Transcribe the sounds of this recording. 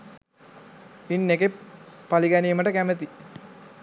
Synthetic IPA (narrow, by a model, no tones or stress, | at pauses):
inːeɡepaliɡæniːməʈəkæmət̪i